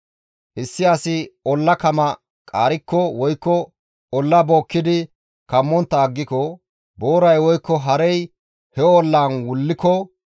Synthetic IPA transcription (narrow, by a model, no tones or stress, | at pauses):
ʔɪsːɪɐsɪɔlːɐkɐmɐ | kʼa̰ːɾɪkːɔwɔjkːɔ | ɔlːɐboːkːɪd̪ɪ | kɐmːɔnt̪ːɐːɡːɪkɔ | boːɾɐjwɔjkːɔɦɐɾɛj | hɛɔlːaːnwʊlːɪkɔ